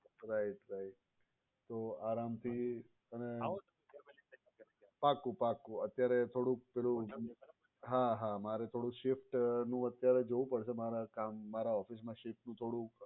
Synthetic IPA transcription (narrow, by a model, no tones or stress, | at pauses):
ɾaiʈɾaiʈ | t̪ːoaɾamt̪ʰi | əne | pakũpakũət̪jaɾet̪ʰoɽũpɛlũ | ɦaɦamaɾet̪ʰoɽũʃɪfʈnũət̪jaɾed͡ʒoʋũpəɽʃemaɾakamːaɾaɔfis̬mãʃɪfʈnũt̪ʰoɽũ